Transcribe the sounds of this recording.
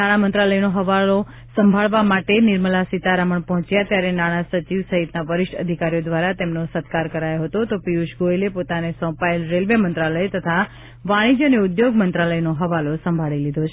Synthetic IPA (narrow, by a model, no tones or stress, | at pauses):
naɽ̃amənt̪ɾaləjnoɦəʋalo | səmbʱaɭʋamaʈenɪɾməlasit̪aɾaməɳpɔɦɔ̃t͡ʃjat̪jaɾenaɽ̃asət͡ʃiʋsəɦit̪naʋəɾɪʃʈə̰d̪ʱikaɾijod̪ʋaɾat̪emnosət̪kaɾkəɾajoɦət̪ot̪opiuʃɡoelepot̪anesɔ̃paelɾelʋəmənt̪ɾaləjt̪ət̪ʰa | ʋaɽ̃id͡ʒəneʊd̪joɡmənt̪ɾaləjnoɦəʋalosəmbʱaɭilid̪ʱot͡ʃʰ